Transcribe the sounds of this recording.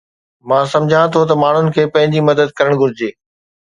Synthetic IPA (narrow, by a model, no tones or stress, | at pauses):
mãːsɐ̃md͡ʑʱãt̪ʰot̪̬ɐmaːɳ̤ʊnɪ̆kʰeːpɐ̃ɦɪ̃ɲd͡ʑimɐd̪əd̪̚kɐɾəɽ̃ɡʱʊɾɪd͡ʑeː